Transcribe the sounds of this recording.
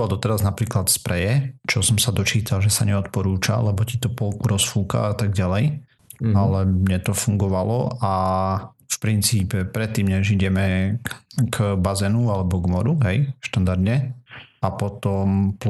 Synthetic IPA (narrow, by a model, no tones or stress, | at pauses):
ald̪ɔt̪ɛɾaznapɾiːklat̪spɾɛjɛt͡ʃɔsɔmsad̪ɔt͡ʃiːt̪alʒɛsaɲɛɔt̪pɔɾuːt͡ʃa̰lɛbɔcit̪ɔpɔlkuɾɔsfuːka̰at̪aɡɟalɛj | alɛmɲɛt̪ɔfuŋɡɔʋalɔʔa | fpɾint͡siːpɛpɾɛt̪ːiːmɲɛʒiɟɛmɛ | ɡbazɛnualɛbɔɡmɔɾuɦɛjʃt̪and̪aɾd̪ɲɛapɔt̪ɔmp